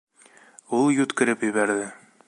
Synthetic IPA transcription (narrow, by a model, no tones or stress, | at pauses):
ulˠjut̪kɘ̆ɾɘpjɘ̆βæɾðɘ